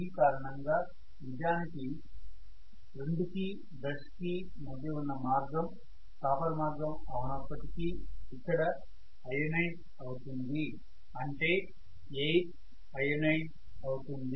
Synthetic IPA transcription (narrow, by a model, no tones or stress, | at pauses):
ikaːɾɐɳɐŋɡaː | ʋid͡ʒaːniki | ɾeɳɖuki | d̪ɐʂki | mɐd̪ʱjɐunːɐmaːɾɡɐm | k̪aːpɐɾɐmaːɾɡɐmɐʋunɐpːɐʈikiikːɐɽɐ | ɐjɐnɐjɖ | ɐwut̪und̪i | ɐɳʈeː | ej | ɐjɐnɐjʈ | ɐwut̪und̪i